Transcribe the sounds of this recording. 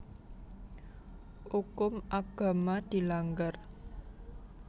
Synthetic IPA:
ukʊmʔaɡ̥a̤mad̪̥i̤laŋɡər

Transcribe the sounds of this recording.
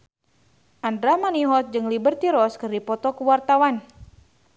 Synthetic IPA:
ʔandɾamaniɦɔt̪̚d͡ʒɨŋlibərt̪iɾɔskɨrdipɔt̪ɔkuwart̪awan

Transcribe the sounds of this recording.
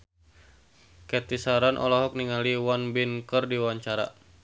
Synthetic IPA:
kɛt̪isaɾanʔɔ̰laɦɔk̚niŋaliwanbinkərdiwaɲt͡ʃaɾa̰

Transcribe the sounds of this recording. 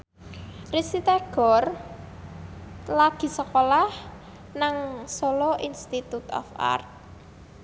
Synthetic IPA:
risit̪aɡ̥ɔ̤r | laɡ̥i̤səkolah | naŋsoloʔinst̪it̪ut̪ɔ̰fa̰rt̪̚

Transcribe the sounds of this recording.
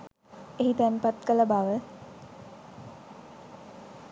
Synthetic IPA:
eɦit̪ænpat̪kələbaʋə

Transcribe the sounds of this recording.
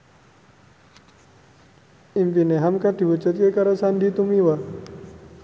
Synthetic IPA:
impineɦamkad̪i̤wut͡ʃut̪̚kekaɾəsandit̪umiwa

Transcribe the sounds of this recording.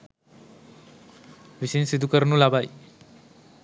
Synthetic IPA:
ʋisinsid̪ʱukəɾnulabaj

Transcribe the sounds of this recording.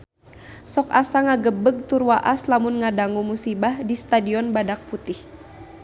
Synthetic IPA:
sɔkasaŋaɡəbəɡ̚t̪urwaʔaslamʊnŋadaŋumusibahdist̪adiɔnbadak̚put̪ɪh

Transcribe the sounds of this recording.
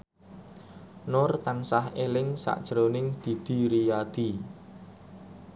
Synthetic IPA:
nʊrt̪ansahelɪŋsa̰ʔd̥ʒ̥ɾonɪŋd̪̥i̤d̪̥i̤ɾijad̪̥i̤

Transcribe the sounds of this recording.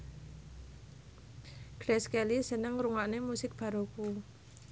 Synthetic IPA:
ɡ̥ɾɛskɛlisənəŋruŋaʔnemusɪk̚b̥ä̤ɾoku

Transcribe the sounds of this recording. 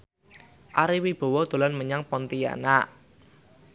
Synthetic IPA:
ʔaɾiwib̥ɔ̤wɔd̪̥o̤lanməɲaŋpɔnt̪ija̰naʔ

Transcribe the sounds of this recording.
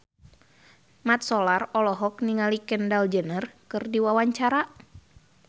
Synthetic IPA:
mat̪̚sɔlarɔlɔɦɔk̚niŋalikɛndald͡ʒənərkɨrdiwawaɲt͡ʃaɾa

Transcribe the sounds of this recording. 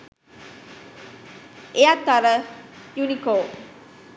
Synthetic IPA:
ejat̪ːaɾəjunikoː

